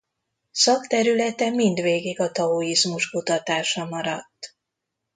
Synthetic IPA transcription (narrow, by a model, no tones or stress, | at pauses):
sɒkt̪ɛɾylɛt̪ɛmind̪ʋeːɡiɡɒt̪ɒoːizmuʃkut̪ɒt̪aːʃɒmɒɾɒt̪ː